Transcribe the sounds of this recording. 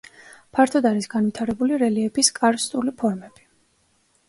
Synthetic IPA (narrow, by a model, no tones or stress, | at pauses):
pʰaɾt̪ʰɔd̪aɾisɡanvit̪ʰaɾɛbuliɾɛliɛpʰiskʼaɾst̪ʼulipʰɔɾmɛb̥i̥